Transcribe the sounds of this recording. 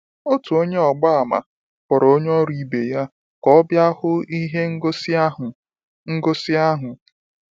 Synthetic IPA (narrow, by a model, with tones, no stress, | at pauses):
o˦tu˨o˦ɲe˦ɔ˨ɡ͡ba˦a˨ma̰˨ | kʷɔ˨ɾo˦ɲ˦ɔ˦ɾi˨be˨ja˦ | kɔ˦ɔ˦bja˦hʊ˦i˦ɦe˦ŋ̩˦˨ | ŋ̩˦ɡo˦sɪ˦a˦ɦʊ˨